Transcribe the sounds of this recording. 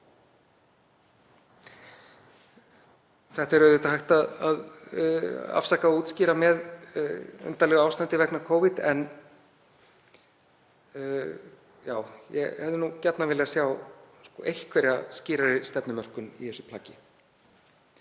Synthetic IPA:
θɛht̪ɛɾœðɪt̪aɦajht̪aðað | a̰fsakauːt̪sciːɾamɛð | ʏ̰nt̪alɛːɣʏawst̪ant̪ɪvɛknakʰowvɪt̪ɛ̰n | jaːwjɛ̰hɛvðɪnucɛt̪navɪːlɪɣasjawskɔ̰ʔejhkʰvɛɾjasciːɾaɾɪst̪ɛpnʏmœr̥kʏnḭθɛsːʏ̥pʰlaːcɪ

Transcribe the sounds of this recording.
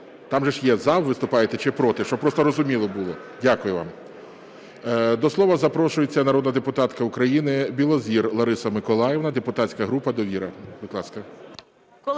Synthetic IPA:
t̪ɑmʒɛʃjɛzɑwʋɪst̪ʊpɑjet̪ɛt͡ʃɪpɾɔt̪ɪʃt͡ʃɔpɾɔst̪ɔɾɔzʊmʲilˠɔbʊlˠɔ | dʲakʊjʊʋɑ̰m | d̪ɔslˠɔʋɐzɐpɾɔʃʊjet͡sʲːɐnɐɾɔd̪nɐd̪epʊt̪ɑt̪kɐʊkɾɐjinɪbʲilˠɔzʲirlˠɐɾɪsɐmɪkɔlˠɑjeʋnɐd̪epʊt̪ɑt͡sʲkɐɦɾupɐd̪ɔʋʲiɾɐbɪd̪lˠɑskɐ

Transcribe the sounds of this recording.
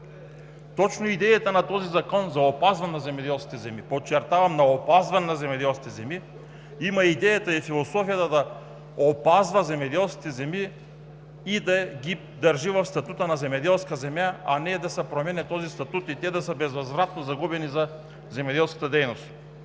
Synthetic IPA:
t̪ɔt͡ʃnoid̪ɛjat̪anat̪ɔzizakɔnzaopazvanɛnazɛmɛd̪ɛlˠski̥t̪ɛzɛmipot͡ʃːɛɾt̪avɐmnaopazvanɛnazɛmɛd̪ɛlˠskit̪ɛzɛmi | imaid̪ɛjat̪aifilˠosɔfijat̪ad̪a | opazvɐzɛmɛd̪ɛlˠskʲit̪ɛzɛmiː | d̪aɡʲi | d̪ɐɾʒivɐfst̪at̪ut̪ənazɛmɛd̪ɛlˠskazɛmjaanɛd̪asɛpɾomɛnɛt̪ɔzist̪at̪ut̪it̪ɛd̪asəbɛzvazvɾat̪nozaɡubɛniza | zɛmɛd̪ɛlˠskḁt̪əd̪ɛjnost̪

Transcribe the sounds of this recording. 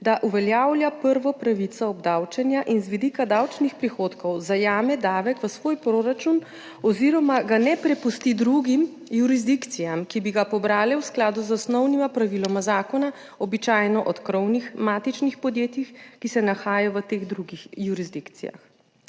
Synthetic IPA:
d̪aʔuʋɛljawljapəɾʋɔpɾaʋit̪sɔɔbd̪awt͡ʃɛnjaʔinzʋid̪ikad̪awt͡ʃnixpɾixoːt̪kɔwzajaːmɛd̪aːʋɛkʋəsʋoːjpɾoɾat͡ʃun | ɔziɾɔmaɡanɛpɾɛpust̪id̪ɾuɡim | juɾizd̪ikt̪sijamkibiɡapɔbɾaːlɛwsklaːd̪uzɔsnɔwnimapɾaʋilɔmazaːkɔna | ɔbit͡ʃajnɔʔɔt̪kɾɔwnixmaːt̪it͡ʃnixpɔd̪jeːt̪jixkisɛnaxaːjaʋət̪eɣd̪ɾuɡixjuɾizd̪ikt̪sḭja̰x

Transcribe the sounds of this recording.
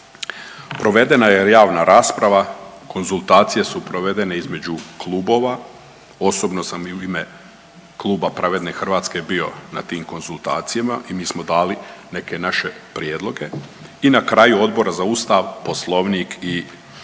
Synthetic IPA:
pɾo̞ʋe̞d̪e̞najejaːʋnaɾaːspɾaʋako̞nzulˠt̪aːt̪sije̞supɾo̞ʋe̞d̪e̞ne̞izme̞d͡ʑuklˠuːbo̞ːʋa | o̞sobno̞samiuime̞ | klˠuːbapɾaʋe̞d̪ne̞xr̩ʋaːt̪ske̞bio̞nat̪iːmko̞nzulˠt̪a̰ːt̪sijamaʔimiːsmo̞d̪aːline̞ke̞naʃe̞pɾijed̪lˠo̞ɡe̞inakɾaːjuo̞d̪bo̞ɾazauːst̪aʋposlˠo̞ʋniːkʰi

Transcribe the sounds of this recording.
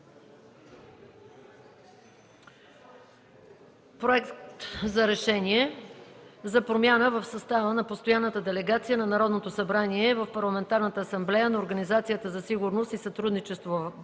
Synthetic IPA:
pɾoɛktt̪zɐɾɛʃɛniɛ | zɐpɾomʲjanəvəfsɐst̪avənɐpost̪ojanːət̪əd̪ɛlɛɡat̪sijənɐnɐɾɔd̪not̪osɐbɾaniɛvəfpɐɾlˠɐmɛnt̪aɾnət̪əːsɐmblɛjənɐoɾɡɐnizat̪sijət̪əzɐsiɡʊɾnost̪isɐt̪ɾud̪nit͡ʃɛst̪vo

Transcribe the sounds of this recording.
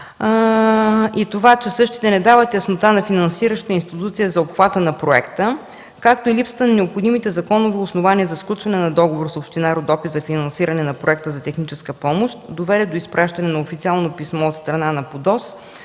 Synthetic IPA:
it̪ovat͡ʃɛsɤʃt̪i̥t̪ɛnɛd̪avət̪jɐsnot̪anɐfinɐnsiɾəʃt̪ət̪əinst̪it̪ut̪sijəzɐopxvat̪ənɐpɾoɛ̰kt̪ə | kak̚t̪oilipsə̥t̪ənɐnɛopxod̪imit̪ɛzɐkɔnovoʊsnovaniəzɐsklʲˠut͡ʃvɐnɛnɐd̪ɔɡovoɾsopʃt̪inaɾod̪ɔpit̪zɐfinɐnsiɾɐnɛnɐpɾoɛk̚t̪əzɐt̪ɛxnit͡ʃɛskəpɔmoʃt̪d̪ovɛɾʲəd̪oispɾʔaʃt̪ɐnɛnɐofit̪sialˠnopismɔot̪st̪ɾɐnanɐpod̪ɔs

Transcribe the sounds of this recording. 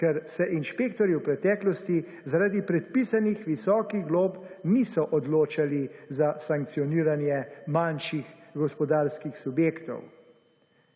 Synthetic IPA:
kɛɾsɛʔinʃpeːkt̪ɔɾiwpɾɛt̪ɛːklɔst̪i | zaɾaːd̪ipɾɛt̪̚pisanixʋisɔːkiɣɡloːpnisɔʔɔd̪loːt͡ʃalizasaŋkt̪sijɔniːɾanjɛmanʃixɡɔspɔd̪aːɾskixsubjeːkt̪ɔ̰w

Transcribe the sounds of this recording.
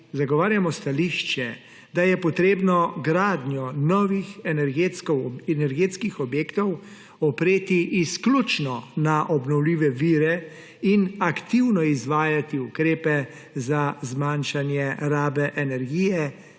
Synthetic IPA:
zaɡɔʋaːɾjamɔst̪aliːʃt͡ʃɛ | d̪ajɛpɔt̪ɾeːbnɔɡɾaːd̪njɔnɔʋixɛnɛɾɡet̪kɔwɛnɛɾɡeːt̪skixɔbjeːkt̪ɔw | ɔpɾeːt̪iʔːsklut͡ʃnɔnaʔɔbnɔwliːʋɛʋiːɾɛ | inakt̪iwnɔizʋaːjat̪iukɾeːpɛ | zazmanʃanjɛɾaːbɛʔɛnɛɾɡiːjɛ

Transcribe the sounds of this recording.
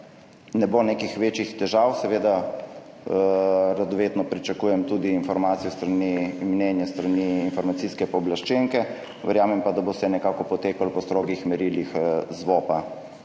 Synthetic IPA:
nɛbonekixʋeːt͡ʃixt̪ɛʒawsɛʋeːd̪a | ɾad̪ɔʋeːt̪nɔpɾit͡ʃakuːjɛmt̪uːd̪iːnfɔɾmaːt̪sijɔst̪ɾanimnɛnjɛst̪ɾaniːnfɔɾmat̪siskɛpɔblaʃt͡ʃeŋkɛ | ʋɛɾjaːmɛmpad̪abost̪ɛnɛkaːkɔpɔt̪eːkalpɔst̪ɾoːɡixmɛɾiːlixzʋoːpa

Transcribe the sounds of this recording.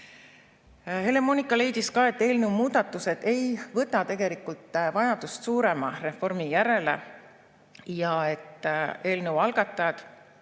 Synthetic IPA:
he̞le̞mo̞nikːˑɑle̞jd̪̥iskɑːe̞t̪ːˑe̞ːlnewmuːd̪̥ɑt̪ːˑuse̞d̪̥e̞jvɤt̪ːˑɑt̪e̞ɡe̞likˑult̪ːˑvɑjɑd̪ust̪suːɾe̞mɑre̞fo̞rmijæɾe̞le̞̰ | jɑe̞t̪ːˑe̞ːlnə̞uwɑlɡ̥ɑt̪ːˑɑjɑd̪̥

